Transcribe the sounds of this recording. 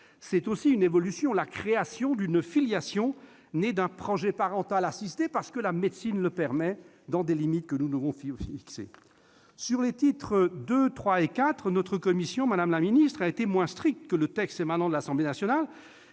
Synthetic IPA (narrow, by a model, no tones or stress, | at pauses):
sɛt̪osiynevɔlysjɔ̃lakχeasjɔ̃d̪ynfiljasjɔ̃ | ned̪ɛ̃pχɔʒɛpaʁɑ̃t̪alasist̪epaʁsə̥kəlamed̪sinləpɛʁmɛ | d̪ɑ̃d̪elimit̪̚kənud̪əvɔ̃ffiiksḛ | syʁlet̪it̪χəd̪øt̪χwaekat̪χnɔt̪χəkɔmisjɔ̃mad̪amlaminist̪χaet̪emwɛ̃st̪χik̚t̪kələt̪ɛkst̪emanɑ̃d̪əlasɑ̃blenasjɔnal